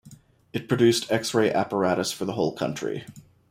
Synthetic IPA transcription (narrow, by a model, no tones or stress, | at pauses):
ɨt̚pʰɹ̥ɨdʉstʰɛksɹeɪʔæpə˞æɾəsfə˞ðəɦoʊlˠkʰʌ̰̃nt͡ʃɹ̥ḭ